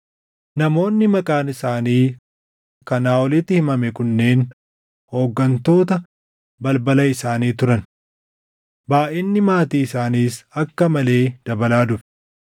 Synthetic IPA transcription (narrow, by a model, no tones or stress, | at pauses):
nɐmo̞ːnːɪmɐkʼaːnɪsaːniː | kɐnaːwɔlɪt̪ːɪhɪmɐmɛkʊnːe̞ːn | ho̞ːɡːɐnt̪o̞ːt̪ɐ | bɐlbɐlɐɪsaːniːt̪ʊɾɐn | baːʔɛnːɪmaːt̪iːɪsaːniːsɐkːɐmɐle̞ːd̪̥ɐbɐlaːd̪ʊfɛ̥